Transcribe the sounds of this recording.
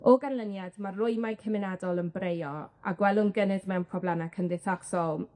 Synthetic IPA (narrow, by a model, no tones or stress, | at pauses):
ɔɡanlˠənjadmarʊɨjmajkʰəmɪnadɔlˠənbrejɔa̰ɡwɛlˠʊnɡənɨðmɛmpʰrɔblˠanakʰəndɪθaksɔlˠ